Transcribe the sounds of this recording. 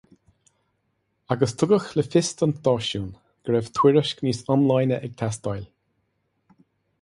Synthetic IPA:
aɡəst̪ʰʊɡəxləfɪst̪ənd̪ɔːʃuːn | ɡ̥ɾɛv̥t̪ʰwɪɹəʃkniːsɔnlajnəʔɛɡ̚t̪ʰast̪ajl

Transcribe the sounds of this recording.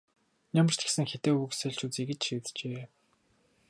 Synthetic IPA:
nʲamə̆r̥t͡ɕ̪ɡ̥e̥sɘ̆ŋxet̪eːuksœɮt͡ɕuːt͡siːɣɘ̆t͡ɕʃiːt̪t͡ɕeː

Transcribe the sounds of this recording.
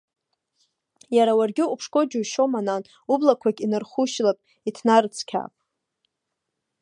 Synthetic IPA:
jaɾawarɡʲɪupʰʂkʷʼo̞d͡ʒuʃo̞manan | ublakʷʰakʲʼinɨrχuʃlapʼ | itʰnarɨt͡sʰkʲʰa̰pʼ

